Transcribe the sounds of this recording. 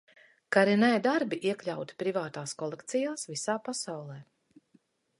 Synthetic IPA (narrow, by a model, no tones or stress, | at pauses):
kaɾinɛjd̪aɾbiʔiɛklʲawt̪i̥pɾivaːt̪aːskɔlˠɛkt̪sijaːsvisaːpasawlˠɛː